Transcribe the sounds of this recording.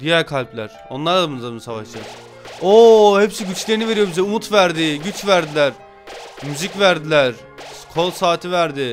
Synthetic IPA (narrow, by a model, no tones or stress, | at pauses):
d̪̥ijæɾkʰalʲplʲæɾ̥o̞̰nlˠaɾd̪ˠabunzamnsavaʃɯ | ohepsiɟyt͡ʃlʲe̞ɾinive̞ɾijo̞bizɛumut̪ʰvæɾd̪ɪɟyt͡ʃvæɾd̪ilʲæɾ̥ | myzicvæɾd̪ilʲæɾ̥ | kʰo̞lˠsaːt̪ʰivæɾd̪ɪ